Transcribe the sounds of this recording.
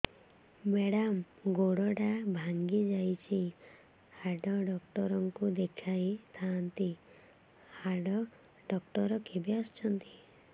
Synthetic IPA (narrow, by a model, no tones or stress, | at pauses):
meɽam | ɡoɽɔʈabʱaŋɡid͡ʒajt͡ʃʰi | haɖɔɖɔkʈɔɾɔŋkud̪ekʰajt̪ʰant̪i | haɖɔ | ɖɔkʈɔɾɔkʰebiast͡ʃʰɔnt̪i̥